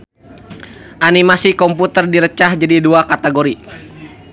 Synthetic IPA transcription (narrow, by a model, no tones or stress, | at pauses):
ʔanimasikɔmput̪ərdiɾət͡ʃahd͡ʒadiduakat̪ɛɡoɾi